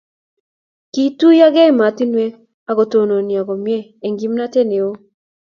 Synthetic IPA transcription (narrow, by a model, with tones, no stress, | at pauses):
ki˨tu˦ja˦ɡɛ˦˨ma˨ti˦nwe˦ | a˨ɡo˨to˨no˨nja˨ɡɔ˨mjɛ˦e˨ŋɡi˨˦mna˦te˦ne˨o˦